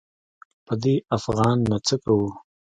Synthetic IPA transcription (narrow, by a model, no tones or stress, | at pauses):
pəd̪eafɣɑːnːat͡səkawu